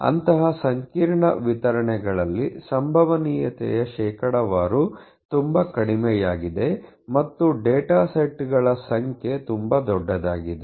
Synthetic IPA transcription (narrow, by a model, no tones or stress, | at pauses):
ɐ̰nt̪ɐɦɐsɐŋkiːɾɳɐ̰ʋit̪ɐɾɐɳɛɡɐɭɐlːisɐmbʱɐʋɐniːjɐt̪ɛ̰jɐʃɛːkɐɽɐʋaːɾu | t̪umbɐkɐɽimɛjaːɡid̪e̞ | mɐt̪ːuɖeːʈaːseʈːɡɐɭɐsɐŋkʰjet̪umbɐd̪ɔɖːɐd̪aːɡid̪e